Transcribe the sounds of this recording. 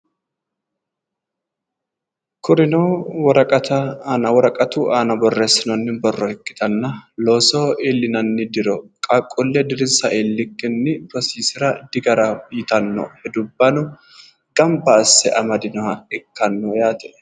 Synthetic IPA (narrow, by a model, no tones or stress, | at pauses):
kʊɾɪnowɔɾɐkʼɐt̪ɐnɐwɔɾɐkʼɐt̪uʔaːnɐbɔrːesːɪnɔnːɪbɔrːɔhɛkʼːɪ̥t̪ɐnːɐloːsoːʔɪlːɪnɐnːɪd̪ɪɾɔkʼɐkʼːʊlːɛd̪ɪɾɪnsɐʔɪlːɪkːɪnːɪpɾɔsiːsɪɾɐd̪̥ɪɡɐɾɐjɪt̪ɐnːɔ̰hɛd̪ʊbːɐnʊ | ɡ̥ɐmbɐːsːɛʔɐmɐd̪ɪnɔhɐɛkːɐnːɔjaːt̪ɛ